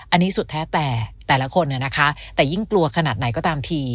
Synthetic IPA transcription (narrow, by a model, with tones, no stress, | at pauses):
ʔa˧nːiː˦˥su˨˩t̪ʰːɛː˦˥t̪ɛː˨˩t̪ɛː˨˩la˦˥kʰo˧nːa˧˥˩na˦˥kʰa˦˥t̪ɛː˨˩ji˥˩ŋklu˧ɐkʰa˧naː˨˩t̪̚na˩˦jkɔː˥˩t̪aː˧mt̪ʰiː˧